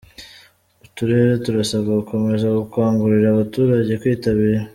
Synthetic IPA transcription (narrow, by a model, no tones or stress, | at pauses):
utuɾe̞ɾe̞tuɾasaβɡauko̞me̞zaɡukwaːŋɡuɾiɾaːβatuːɾaɟe̞kwiːtaβiːɾa